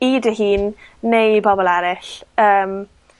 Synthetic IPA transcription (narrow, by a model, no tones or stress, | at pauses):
idəɦiːnːejbɔbɔlˠɛɾɪɬəːm